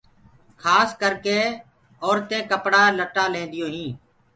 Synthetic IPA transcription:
kʰaːskəɾkeː | ɔːɾt̪ẽːkəpɽaːləʈaːlẽːnd̪ɪjõːɦĩː

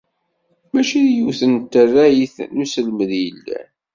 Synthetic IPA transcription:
mæʃiðjuθənt̪ːərːæjiθnusəlməðjəlːæ̰

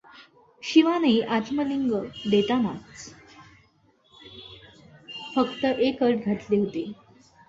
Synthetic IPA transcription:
ɕiʋaneʔat̪məliŋɡəd̪et̪ama̰t͡s | fəkt̪əʔekəʈɡʱaʈ̪leɦot̪e

